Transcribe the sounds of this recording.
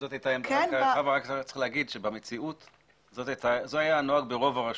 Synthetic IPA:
zotajt̪aemaʁavʁaktt͡sʁiχleaɡid̪ʃebamet͡siut̪ | zotajtazoajano̞aɡbeʁo̞vaʁaʃ

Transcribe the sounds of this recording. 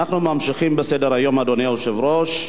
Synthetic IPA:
naχnumamʃiχimbesedeɾhajo̞mad̪oneuʃevɾoʃ

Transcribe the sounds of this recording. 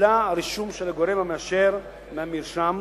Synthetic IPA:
laaɾiʃumʃelaɡoɾemhameaʃeɾ | meamiɾʃam

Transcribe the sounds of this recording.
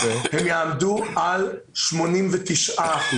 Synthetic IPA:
hɛmjamdual | ʃmonimvətʰɪʃaχl

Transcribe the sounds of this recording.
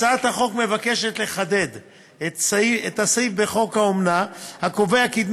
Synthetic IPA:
aat̪haχo̞kme̞vake̞ʃe̞t̪le̞χad̪e̞d̪ | et̪siet̪hasaifbe̞χo̞khaomnahako̞veakid̪m

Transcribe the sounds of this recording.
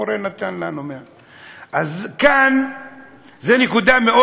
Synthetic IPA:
oɾenat̪anlanomea | ʔazkan | zenekud̪ameo

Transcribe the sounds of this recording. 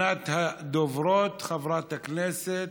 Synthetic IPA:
at̪had̪ovɾoːt̪xavɾˤɑːt̪haknɛset̪

